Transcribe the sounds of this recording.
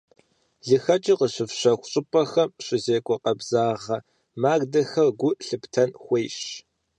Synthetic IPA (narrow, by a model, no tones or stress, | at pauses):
ɮɨxɐt͡ʃʼiqəɕɪfɕɐxʷɕʼɪpʼɐxɐmɕʷʼɪzeːkʷʼɔqɐbzaːʁɐ | maːɡdɐxɐrɡʷʊʔɬɨptʰɐnxʷejɕ